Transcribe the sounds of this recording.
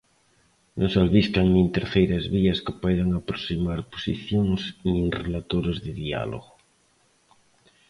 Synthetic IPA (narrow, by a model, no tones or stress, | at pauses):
nʔosalβiskaŋnĩnt̪eɾθejɾazβiaskɪpajðaŋapɾosimaɾpo̥sḭθjoŋsnĩŋrelat̪oɾozðeðia̰lo̰ɣo